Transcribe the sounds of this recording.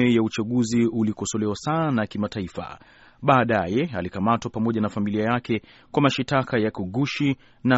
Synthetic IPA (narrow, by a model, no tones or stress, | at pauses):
ɛjaut͡ʃaɠuziulikɔsɔlɛwasanakimataifa̰ | ɓaːɗajɛalikamatwapamɔʄanafamiliajakɛ | kwamaʃitakajakuɠuʃi | na